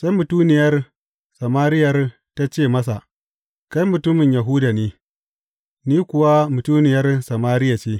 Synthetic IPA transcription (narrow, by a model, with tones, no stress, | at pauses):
sa˦jmʊ˨tuː˦nɪ˨jɐ˦r | sɐ˨maː˦ɾɪ˦jɐ˨r | ta˦t͡ʃeː˦˨mɐ˦s̬a˨ | ka˦jmʊ˨tʊ˦mɪ˨ɲjɐ˨ɦʊ˦da˨neː˦ | niː˦kʷʊ˨wa˦mʊ˨tu˦nɪ˨jɐ˦rsɐ˨maː˦ɾɪ˦ja˨t͡ʃeː˦